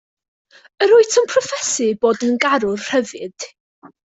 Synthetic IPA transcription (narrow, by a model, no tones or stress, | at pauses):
əɾʊɨtʰənpʰrɔfɛsɪboːdənɡaɾʊrr̥əvɨd̥